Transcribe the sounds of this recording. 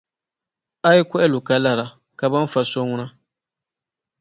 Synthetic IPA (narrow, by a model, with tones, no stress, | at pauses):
a˦i˦kʷɔ˦ʔɛ˦lʊ˨ka˦la˨ɾa˨ | ka˨ba˦n˦fa˦˨so˦ŋʊ˦na˦